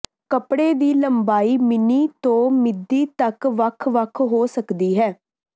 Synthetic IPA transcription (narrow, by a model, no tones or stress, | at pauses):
kəpɽeːd̪iːləmbaːiːmɪniːt̪õːmɪd̪ːiːt̪əkʋəkʰʋəkʰɦoːsəkd̪iːɦɛː